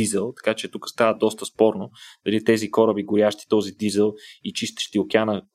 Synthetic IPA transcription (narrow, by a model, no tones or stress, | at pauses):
izəlˠt̪ɐ̥kat͡ʃɛt̪ukə̥st̪avəd̪ɔst̪əspɔɾnod̪̥ɐlit̪ɛzikɔɾəbiɡʊɾʲjaʃt̪i̥t̪ɔzid̪izəlˠit͡ʃist̪ə̥ʃt̪iʊkʲanə